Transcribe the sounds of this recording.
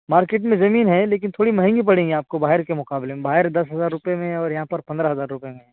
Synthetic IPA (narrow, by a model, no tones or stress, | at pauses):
maːɾkeːʈ̬mẽzɐmiːnɦɛ̃leːk̬ɪnt̪ʰoːɽimɐɦɛ̃ŋɡip̬ɐɽẽːŋɡiaːp̚kobaːɦɪɾkemʊqaːblemẽbaːɦɪɾd̪ɐsɦɐzaːɾːʊpemẽɔːɾjɐɦãpɐɾpɐ̃nd̪ɾaɦɐzaːɾːʊpəemẽ